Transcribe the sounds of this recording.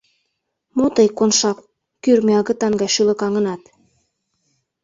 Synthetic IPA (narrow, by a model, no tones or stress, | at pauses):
mot̪ɤjkonʃɑk | kyrmeɑɣɤ̆t̪ɑŋɡɑjʃylə̆kɑŋə̆nɑt̪